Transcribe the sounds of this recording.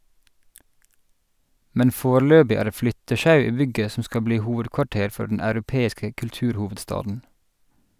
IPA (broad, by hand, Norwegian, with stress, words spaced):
ˈmɛn ˈfoːˌɭøːbɪ ˈæː ˈɾeː ˈflʏtəˌʃɑʉ ˈiː ˈbʏɡə ˈsɔ ˈskɑ ˈbliː ˈhuːʋədkʋɑˌʈeːɾ ˈfɔ ɖɳ̩ ɑʉɾʊˈpeːɪskə kʉlˈtʉːɾˌhuːʋədˌstɑːdn̩